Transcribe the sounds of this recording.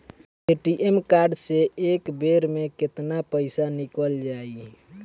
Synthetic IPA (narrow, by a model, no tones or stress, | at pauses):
eʈiʔemkaɾɖseekbeɾmekɪt̪napəɪsanikəld͡ʒaːi